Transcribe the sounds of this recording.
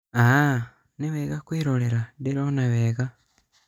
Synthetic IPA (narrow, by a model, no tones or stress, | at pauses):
a | neβeːɣakwiːɾoleɾadeɾonaβeːɣa